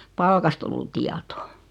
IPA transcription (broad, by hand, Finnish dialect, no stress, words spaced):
pɑlkɑst olːu tiɑtoː